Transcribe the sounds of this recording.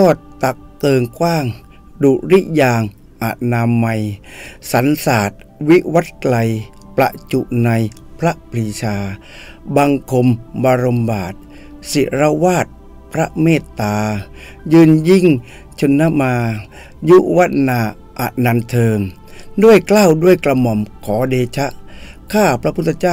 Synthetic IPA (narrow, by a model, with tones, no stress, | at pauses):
t̪ɔː˥˩t̪̚ːa˨˩k̚t̪ɤː˧ŋkwaː˥˩ŋ | duː˨˩ɾi˦˥ʔjaː˧ŋ | ʔa˨˩t̪̚naː˧ma˧jsa˨˦nsaː˨˩t̪̚ | wi˦˥wa˦˥t̪̚kla˧j | pla̰˧ʔt͡ɕu˨˩ʔna˧jpʰɾa˦˥ʔpʰɾi˧t͡ɕʰaː˧ | ba˧ŋkʰo˧mbaː˧ɾo˧mbaː˨˩t̪̚ | si˨˦ɾa˧waː˥˩t̪̚ | pʰɾa˦˥ʔmeː˥˩t̪ːaː˧ | jɯː˧nji˧˥˨ŋ | t͡ɕʰo˧nːa˦˧˥maː˧ | ju˦˥ʔwa˦˥t̪̚naː˧˩ | ʔa̰˨˩t̪̚na˧nt̪ʰɤː˧m | du˥˩əjklaː˥˩˨wdu˥˩əjkla˧mɔ˧˩mkʰɔː˩˦deː˧t͡ɕʰa˦˥ʔkʰaː˥˩pʰɾa˦pʰu˥˩t̪ʰːa˧t͡ɕaː˥˨